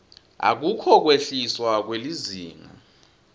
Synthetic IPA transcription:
a̰k̬ukʰɔk̬weɬiswak̬weliziːŋa̰

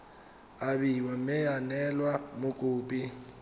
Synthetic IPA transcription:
aβiwamɛjanɛlwamʊkʼuːpʼi

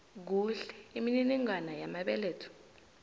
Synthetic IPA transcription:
k̬uɬɛ̥imininiŋanajamaɓɛleːtʰu̥

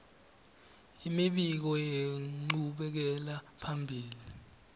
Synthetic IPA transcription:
imiɓik̬ɔjeŋ͡ǃuɓɛk̬ɛlapʰambʱiːli

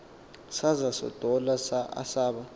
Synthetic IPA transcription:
sazasɔ̰tʼɔlasaa̰saːɓa

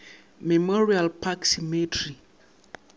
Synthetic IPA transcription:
mɛmɔɹialpʰaksimitʰɹi

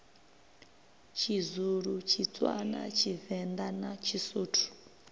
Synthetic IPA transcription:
t͡ʃʰizuɺut͡ʃʰit͡sʼwa̰na̰t͡ʃʰivɛnd̪anat͡ʃʰisoːtʰu̥

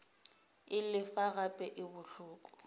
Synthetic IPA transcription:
ɪlɪfaɣapʼɛʔɪbʊɬʊːkʼɔ̥

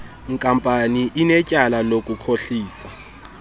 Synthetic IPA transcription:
ŋkʼampʼaniʔinɛcʼalalokʼukʰoɬiːsa

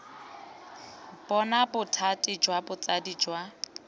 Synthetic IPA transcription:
b̥ɔnabʊtʰatʼɪd͡ʒwabʊt͡sʼadid͡ʒwa

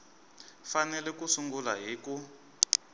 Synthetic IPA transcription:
fanɛlɛkusuŋɡula̰ɦiːku

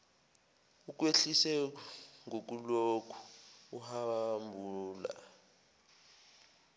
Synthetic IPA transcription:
uk̬weɬisɛŋʱok̬ulokʰu̥uhaambʱuːla̰

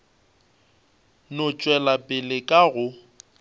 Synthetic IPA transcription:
nʊt͡ʃʼwɛlapʼɪlɪkʼaɣʊ

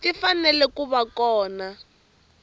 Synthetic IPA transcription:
tifanɛlɛkuβakɔːna

